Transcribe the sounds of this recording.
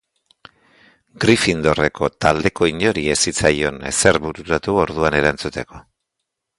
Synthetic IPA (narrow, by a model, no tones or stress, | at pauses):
ɡɾifind̪o̞re̞ko̞t̪ald̪e̞ko̞iɲo̞ɾie̞sit͡sajo̞ne̞̰se̞ɾβuɾuɾat̪uo̞ɾðuane̞ɾant͡sut̪e̞ko̞